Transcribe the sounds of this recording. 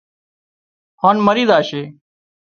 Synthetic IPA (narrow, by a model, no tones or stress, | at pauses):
haːnməɾiːd̪aːʃeː